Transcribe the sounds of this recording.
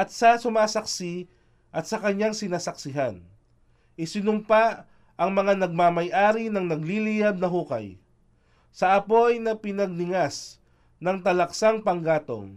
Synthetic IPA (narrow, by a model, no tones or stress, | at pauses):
ʔɐt̪̚sɐsʊmaːsɐksi | ʔɐt̪̚sɐkɐɲːaŋsɪnaːsɐksɪɦan | ʔɪsɪnʊmpa | ɐŋmɐŋanɐɡ̚mamɐjʔaːɾinɐŋnɐɡlilijab̚nɐɦuːkɐ̰j | sɐʔɐpo̞jnɐpɪnɐɡ̚nɪŋas | nɐŋt̪ɐlɐksaŋpɐŋɡaːt̪o̰ŋ